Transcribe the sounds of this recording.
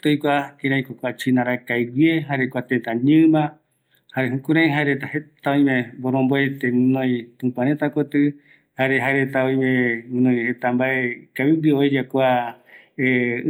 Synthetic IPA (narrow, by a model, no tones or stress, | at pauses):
t̪ojkʷakẽɾãĩkʷakʷat͡ʃinãɾakajwieɦaɾekʷat̪et̪ãɲɨ̃mã | haɾeɦũkuɾãj̃ɦaeɾet̪ahet̪aõj̃mẽmboɾõmboet̪enɨ̃nõj̃t̪ũpaɾet̪akot̪ɨ | haɾeɦaeɾet̪aõj̃mẽnɨ̃nõj̃het̪ambaekaβiwiojd͡ʒakʷa | e